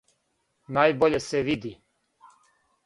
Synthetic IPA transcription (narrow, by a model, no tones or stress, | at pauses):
naːjboʎeseʋid̪i